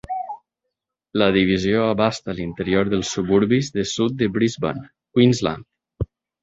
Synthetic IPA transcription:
ləðiβizioəβast̪əlint̪əɾioɾðəlˠsuβuɾβizðəsut̪̚d̪əβɾizba̰n | kwinzla̰nd̪

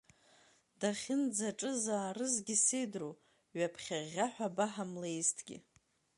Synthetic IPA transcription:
d̥aχʲɪnd͡zaʈ͡ʂʼɨzaːrɨzɡʲɪsejdru | ɥapʰχʲaʁʲaħʷᶣabaħamlejstʰɡ̥ʲɪ̰

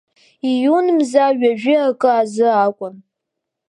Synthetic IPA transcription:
ijunmzaɥaʒᶣɪakʼɨazɨaːkʷʼʊn

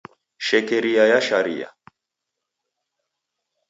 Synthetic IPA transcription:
ʃɛkɛɾiajaʃaɾḭa̰

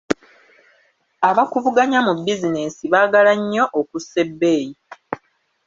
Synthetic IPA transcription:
aβakuvuɡaɲamubːizineːsiβaːɡalaɲːo̞ʔokusːe̞bːeːji

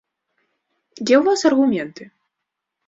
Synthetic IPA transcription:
d͡zʲɛwvasɐrɣumʲɛnt̪ɨ

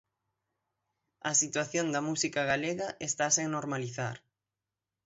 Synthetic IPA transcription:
ɐsit̪waθjond̪ɐmusikaɣaleɣɐʔest̪asiŋnoɾmaliθa̰ɾ

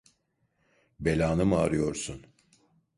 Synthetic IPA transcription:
be̞lʲaːnɯmaːɾɯjo̞ɾsun

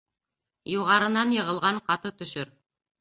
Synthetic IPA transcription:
juʁɑɾɤ̆nɑnjɤ̆ʁɤ̆lˠʁɑɴqɑt̪ɤt̪ɵ̆ʃɵɾ

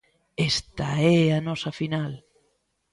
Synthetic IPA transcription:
ɛst̪aɛanɔsɐfinal

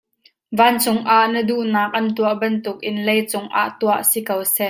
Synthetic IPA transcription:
vaːnt͡sʊŋʔaʔnəduʔnaːk̚ʔɐnt̪uəʔbɐnt̪ʊk̚ʔɪnlejt͡sʊŋʔa̰ːʔt̪uəʔsikɐwsɛʔ

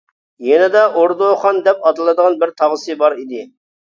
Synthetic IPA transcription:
jɛnɛd̪ɛʔoɾd̪oχɑnd̪ɛpɑd̪ɨlˠɨd̪əʁɑnbɪɾt̪ʰɑʁəsɨbɑɾid̪ɪ

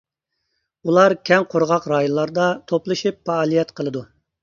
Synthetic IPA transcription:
ulˠɑɾkʲʰɛŋqʰoɾʁɑqɾɑːjonlˠɑɾd̪ɑt̪ʰoplˠɨʃipfɑːlˠijɛt̪qʰəlˠɨd̪u

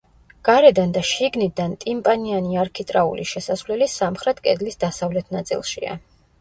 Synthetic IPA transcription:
ɡ̥aɾɛd̪and̪aʃiɡnid̪ant̪ʼimpʼanianiaɾkʰit̪ʼɾaṵlḭʃɛsasvlɛlisamχɾɛt̪ʰkʼɛ̰d̪lisd̪asavlɛt̪ʰnat̪sʼḭlˠʃḭa̰

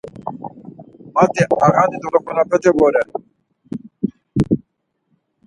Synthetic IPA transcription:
mat̪ʼɛaɣad̪id̪ɔɾɔkɔnapʰɛt̪ʰɛbɔɾɛ

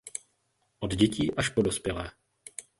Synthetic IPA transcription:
ʔod̪ɟɛciːʔaʃpodospjɛlɛː

